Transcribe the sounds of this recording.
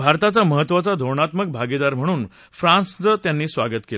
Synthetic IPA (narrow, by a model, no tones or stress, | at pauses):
bʱaɾt̪at͡saməɦət̪ːʋat͡sad̪ʱoɾɳat̪mək̚bʱaɡid̪aɾm̤əɽ̃uːn | fɾãnsd͡zət̪janːiːsʋaɡət̪kel